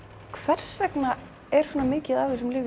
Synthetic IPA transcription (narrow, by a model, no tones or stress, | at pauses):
kʰvɛr̥svɛkna | ɛɾ̥sɔnamɪːcɪðaːwvɪsʏmlɪːv